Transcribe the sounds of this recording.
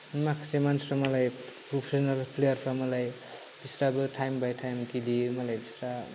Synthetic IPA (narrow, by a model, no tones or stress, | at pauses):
nmakʰḁsemansɾamʌlajpɾopʰesɔnalpʰlejʌɾpʰamʌlaj | b̥isɾabɯʈʰajmbajʈʰajmkilimʌlajbisɾa